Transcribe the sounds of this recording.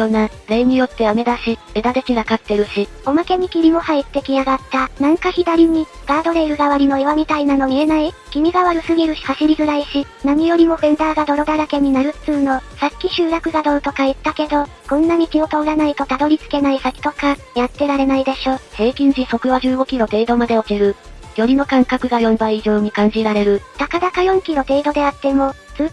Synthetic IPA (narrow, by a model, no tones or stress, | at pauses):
jona | ɾe̞ɲ̟ijo̞t̪ːe̞ame̞d̪aɕied̪ad̪e̞kʲiɡakat̪ːe̞ɾɯ̟ɕi | o̞make̞ɲ̟ikʲimʲimo̞hait̪ːe̞kʲiaɡat̪ːanãŋkaçid̪aɾʲiɲ̟iɡ̥aːd̪o̞ɾe̞iɾɯ̟ɡaβaɾʲino̞eβamʲit̪ainano̞mʲie̞naikʲimʲiɡaβaɾɯ̟sɨɡʲiɾɯ̟ɕi̥haɕiɾʲizɨɾaiɕi | namʲijo̞ɾʲimo̞bẽnd̪aːɡad̪o̞ɾo̞d̪aɾake̞ɲ̟inaɾɯ̟̥t͡sɨːno̞sakʲːiɕɨːɾakɯ̟ɡad̪o̞ːt̪o̞kait̪ːake̞d̪o̞ | kõ̞nːam̟ikʲio̞t̪o̞ːɾanait̪o̞t̪ad̪o̞ɾʲit͡sɨ̥ke̞naisakʲi̥t̪o̞ka | jat̪ːe̞ɾaɾe̞naid̪e̞ɕo̞ːse̞ːkʲĩɲ̟d͡ʑiso̞kɯ̟βaʑɨːɡo̞kʲiɾo̞t̪e̞ːd̪o̞mad̪e̞o̞kiɾɯ̟ | jo̞ɾʲino̞kãŋkakɯ̟ɡajõ̞mbaiʑo̞ːɲ̟ikãɲ̟d͡ʑiɾaɾe̞ɾɯ̟t̪akad̪akajõ̞ŋkʲiɾo̞t̪e̞ːd̪o̞d̪e̞at̪ːe̞mo̞ | t͡sɨː